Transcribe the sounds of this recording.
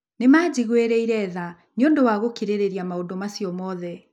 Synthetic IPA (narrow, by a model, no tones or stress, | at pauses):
nemad͡ʑiɣweɾeiɾɛða | njondowaɣokiɾeɾeɾiamaondomasijɔmɔðɛ